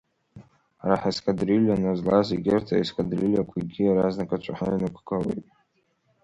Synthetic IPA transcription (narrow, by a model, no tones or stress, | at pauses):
aɾaħaskʼadriljanazlaziɡʲertʰaiskʼadrilʲjakʷʰaɡʲiaɾaznakʼat͡ʃʷʰaħainɨkʷʰʼkʰʼalḛjtʼ